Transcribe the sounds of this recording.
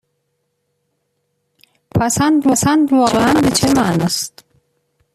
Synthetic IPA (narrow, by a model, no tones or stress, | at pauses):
pʰæsænd̪væsænd̪vɒːɣeʔænbe̞t͡ʃʰemæʔnɒːst̪